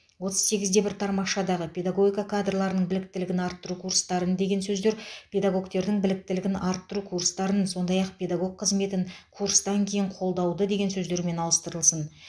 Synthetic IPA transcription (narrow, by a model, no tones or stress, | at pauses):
wo̞t̪ʰəz̥se̞ɡʲɪzd̪e̞bɪɾt̪ʰɑɾmɑʃɑd̪ɑʁəpʲʰe̞d̪aɡo̞ɡʲijkakʰad̪rlˠɑɾənəɴbɪlɪk̚t̪ɪlɪɡʲɪnɑɾt̪ːʊɾukʰurst̪ɑɾənd̪e̞ɡʲe̞nsɵzd̪e̞ɾpʲʰe̞d̪aɡo̞kt̪e̞ɾd̪ɪŋbɪlɪk̚t̪ɪlɪɡʲɪnɑɾt̪ːʊɾukʰuɾst̪ɑɾənso̞nd̪ɑjɑq̚pʰʲe̞d̪aɡo̞ɡ̚qʰːəzme̞t̪ɪŋkʰuɾst̪ɑŋkʲʰe̞jɪɴqʰo̞lˠd̪ɑwd̪əd̪e̞ɡʲe̞nsɵzd̪e̞ɾme̞nɑlˠəst̪əɾəlˠsən